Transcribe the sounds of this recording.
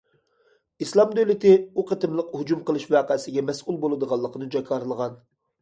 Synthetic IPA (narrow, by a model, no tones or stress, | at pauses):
islˠɑmd̪øwlɪt̪ɪuqʰət̪ɨmlˠəqhud͡ʒumqəlˠɨʃmwɑqəsɪɡʲɛmɛsʔulˠbolˠɨd̪əʁɑlˠːəqʰənɨd͡ʒɑkʰɑɾlˠəʁɑn